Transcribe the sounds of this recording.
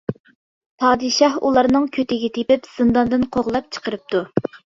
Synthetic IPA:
pʰɑːd̪ɨʃɑhṵlˠɑɾnɨŋkʲʰøt̪ɪɡʲɛt̪ʰepɪpz̥ɨnd̪ɑnd̪ɨnqʰoʁlˠɑp̚t͡ʃʰə̥qəɾɨp̚t̪u

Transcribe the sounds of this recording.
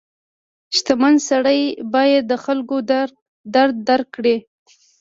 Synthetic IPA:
ʃt̪amansaɽəjbɑjad̪ːəxalko | d̪aɾd̪ːaɾkːɽe

